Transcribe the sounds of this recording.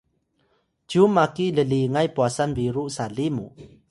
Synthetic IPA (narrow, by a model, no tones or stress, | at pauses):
t͡ɕumːakiʔləliŋajpuasanviɾuʔsalimṵ